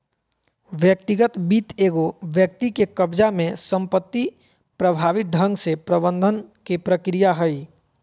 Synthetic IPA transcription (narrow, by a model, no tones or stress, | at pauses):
ʋjək̚t̪iɡət̪biːt̪eːɡoʋjək̚t̪ikekəbd͡ʒamẽsə̃mpət̪ːi | pɾəbʱaːʋɪt̪̚ɖʱə̃ŋɡsepɾəbə̃nd̪ʱənkepɾəkɾijaɦəi